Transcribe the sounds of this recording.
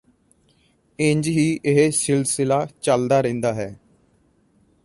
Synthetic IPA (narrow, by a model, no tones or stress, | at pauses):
ɪ̃ɲd͡ʒɦiːʔɪɦesɪlsɪlaːt͡ʃəld̪aːɾɛ̃ːnd̪aːɦɛː